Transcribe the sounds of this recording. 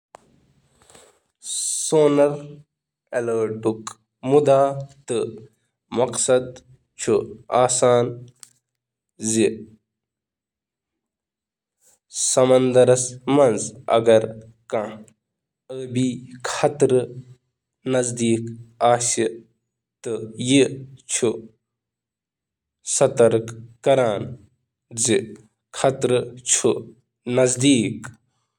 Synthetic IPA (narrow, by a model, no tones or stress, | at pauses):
soːnɐɾ | eləːʈuk | mud̪aːt̪ɨ | mɐqsɐd̪ | t͡ʃʰuaːsaːn | zi | sɐmɐnd̪ɐɾɐsmɐnzɐ̰ɡɐɾ | kã | əːbikʰɐt̪ɾ | nɐzd̪iːkaːsi | t̪ɨjit͡ʃʰu | sɐt̪ɐɾkkɐɾaːn | zi | kʰɐt̪ɾɨt͡ʃʰu | nɐzd̪iːk